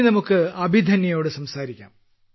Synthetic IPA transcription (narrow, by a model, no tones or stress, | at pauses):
nɐmukːɨɐbʱid̪ʱɐnjɐjo̞ːɽɨsɐmsaːɾikʲːa̰ːm